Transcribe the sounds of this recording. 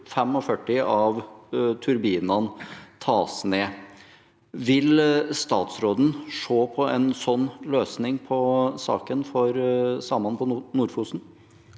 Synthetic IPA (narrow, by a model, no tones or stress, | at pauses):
fɛmɔfœʈːɪɑʋt̪ʰʉɾbiːnɑnt̪ʰɑːsneː | ʋɪlst̪ɑːt̪sɾoːd̪n̩ʂoːpʰɔɛnsɔnːløːsnɪŋpʰɔsɑ̰ːkənfɔɾsɑːmɑnpʰɔnuːɾfuːsn̩